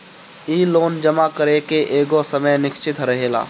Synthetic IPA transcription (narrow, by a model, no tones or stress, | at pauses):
iːloːnd͡ʒəmakəɾekeʔeːɡosəməjnɪkt͡ʃɪt̪ɾɐɦeːla̰ː